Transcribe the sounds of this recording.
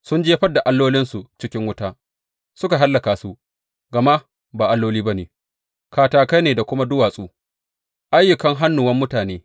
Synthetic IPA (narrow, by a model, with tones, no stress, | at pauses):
sʊ˦nd͡ʒeː˦ɸɐ˦dːa˨ʔa˦lːoː˦lɪ˦nsu˨t͡ʃɪ˦kʲɪ˦ŋwʊ˦taː˦ | sʊ˦ka˨ɦa˦lːɐ˨kaː˨su˦ | ɡɐ˨ma˦ | baː˨ʔa˦lːoː˦liː˦ba˦neː˨ | kaː˨taː˨ka˦jneː˨da˨kʷʊ˦ma˦dʊ˦waː˨sʼuː˦ | ʔa˦jʊ˨kɐ˦ŋɦa˦nːʊ˨wɐ˦mːʊ˦taː˨neː˦